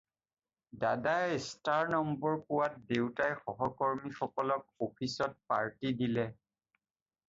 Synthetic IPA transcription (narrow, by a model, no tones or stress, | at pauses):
dadajstaɹnɔmbɔɹpʊwat̚dewtajxɔɦɔkɔɹmixɔkɔlɔk̚opʰisɔt̚paɹtidilɛ